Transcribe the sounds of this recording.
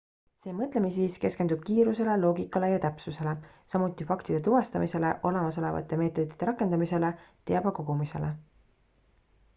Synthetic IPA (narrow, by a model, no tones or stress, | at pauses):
se̞ːmɤt̪ˑle̞misviːske̞skend̪ub̥̚kiːɾuse̞le̞lo̞ːɡikːˑɑle̞jɑt̪æpsuse̞le̞sɑmut̪ːˑifɑkt̪id̪̥e̞t̪uvɑst̪ɑmise̞le̞ʔo̞le̞mɑso̞le̞vɑ̰t̪ˑːe̞me̞ːt̪ːˑo̞d̪̥it̪ːeɾɑkːˑe̞nd̪ɑmise̞le̞t̪e̞ɑb̥ɑko̞ɡ̥umise̞̰le